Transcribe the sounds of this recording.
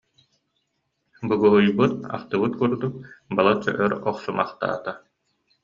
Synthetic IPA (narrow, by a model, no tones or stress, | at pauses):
bɯɡuɦujbɯt̪̚a̰χt̪ɯbɯt̪̚kuɾd̪uk̚balˠat͡ɕɔ̰ʔœɾɔχsumaχt̪a̰ːt̪a